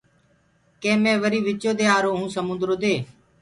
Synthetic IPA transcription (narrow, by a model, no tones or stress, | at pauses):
kẽːmẽːʋəɾiːʋɪt͡ʃoːd̪eːaːɾoːɦũːsəmʊ̃nd̪ɾoːd̪eː